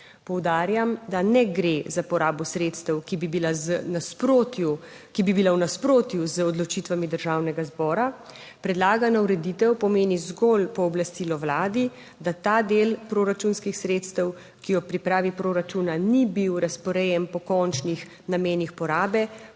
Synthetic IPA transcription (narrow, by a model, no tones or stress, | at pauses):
pɔwd̪aːɾjamd̪anɛɡɾezapɔɾaːbɔsɾeːt̪st̪ɛwkibibilaznaspɾot̪ju | kibibilawnaspɾoːt̪juzəɔd̪lɔt͡ʃiːt̪ʋamid̪əɾʒaːwnɛɡazbɔːɾa | pɾɛd̪laːɡanauɾɛd̪it̪ɛwpɔmeːnizɡɔlpɔːblast̪iːlɔwlaːd̪i | d̪at̪aːd̪eːlpɾoːɾat͡ʃunskixsɾeːt̪st̪əw | kijɔpɾipɾaːʋipɾoːɾat͡ʃunanibiwɾaspɔɾɛjɛmpɔkɔnt͡ʃnix | nameːnixpɔɾaːbɛ